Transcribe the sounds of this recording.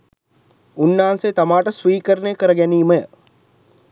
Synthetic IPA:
unːaːnset̪amaːʈəsʋiːkəɾənejəkəɾəɡæniːməjə

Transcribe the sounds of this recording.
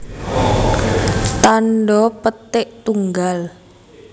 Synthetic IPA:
t̪anɖɔpət̪ɪʔt̪uŋɡal

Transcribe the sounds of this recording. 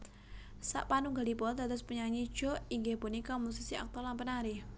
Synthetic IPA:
sa̰ʔpanuŋɡalipɔt̪at̪ʊspuɲaɲid̥ʒ̥ɔ̤iŋɡebonikɔmusisiʔa̰k̚t̪ɔlampənaɾɪh

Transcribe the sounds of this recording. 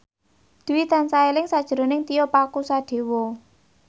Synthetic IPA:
d̪̥ṳwit̪ansaelɪŋsad̥ʒ̥əɾo̤nɪŋt̪ijɔpakusad̪̥e̤wɔ

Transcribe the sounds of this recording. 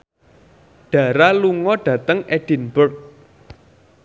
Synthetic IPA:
ɖ̥ä̤ɾaluŋɔɖ̥ä̤t̪əŋɛɖ̥i̤nbʊrk̚

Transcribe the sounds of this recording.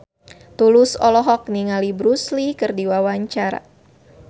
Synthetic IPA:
t̪ulusɔlɔɦɔk̚niŋalibɾuslikɨrdiwawaɲt͡ʃaɾa̰

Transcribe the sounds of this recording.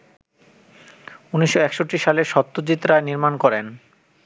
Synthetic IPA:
uniʃːoɛkʃoʈːiʃaleɾʃɔt̪ːod͡ʑit̪ːɾaeniɾmankɔɾen

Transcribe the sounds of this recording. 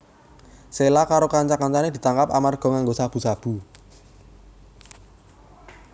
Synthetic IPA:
selakaɾokaɲt͡ʃakaɲt͡ʃaned̪̥i̤t̪aŋkapa̰marɡ̥ɔ̤ŋaŋɡosab̥ṳsab̥ṳ

